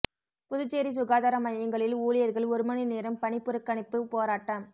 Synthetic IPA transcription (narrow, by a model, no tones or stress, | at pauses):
pʊðʊt͡ʃːeːɾis̬ʊɣaːðaːɾɐmɐjjɐŋɡɐɭɪluːɭɪjɐɾɣɐɭɔɾɯmɐnineːɾɐmpɐɳɪpːɯɾɯkːɐɳɪpːɯpoːɾaːʈːɐm